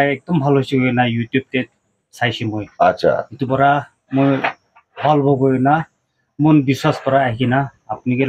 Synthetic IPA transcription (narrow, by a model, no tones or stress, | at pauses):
aek̚d̪ɔmbʱalɦojsiɡojnajut̪jub̚t̪e | sʰajsʰimojatʃʰa̰it̪upɔɾa | moj | bʱɔlbʱɔɡojna | monbiswaspɔɾaːɦikinaːpnike